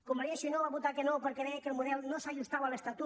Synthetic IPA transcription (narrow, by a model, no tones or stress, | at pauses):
komaɾieʃinoβaβut̪akenowpeɾkeðɛakelmuðɛlnosaʒust̪aβalest̪at̪u